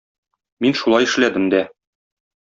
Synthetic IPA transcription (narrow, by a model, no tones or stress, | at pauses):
minʃulˠɑjɘ̆ʃlæd̪ɘmd̪æ